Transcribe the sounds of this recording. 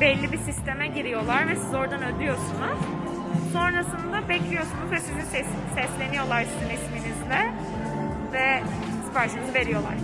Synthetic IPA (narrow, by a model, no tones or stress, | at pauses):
bɛlʲːibisist̪ʰe̞mɛɟiɾijo̞lˠaɾvɛsizo̞ɾd̪anød̪yjo̞sunuz̥ | so̞nɾasɯnd̪abɛclʲijo̞sunuzvɛsizinsɛsisɛslʲe̞nijo̞lˠaɾsizinesminizlɛ | vɛ | spʰaɾt͡ʃʰɯnɯzɯve̞ɾijo̞lˠa̰ɾ̥